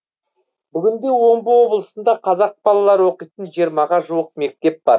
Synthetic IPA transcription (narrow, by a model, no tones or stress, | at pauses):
bʏɡʲɪnd̪e̞wo̞mbəwo̞blˠəsənd̪ɑqʰɑzɑq̚b̥ɑlˠɑlˠɑɾəwo̞qijt̪ənʒijəɾmɑʁɑʒuwəq̚me̞k̚t̪e̞p̚bɑɾ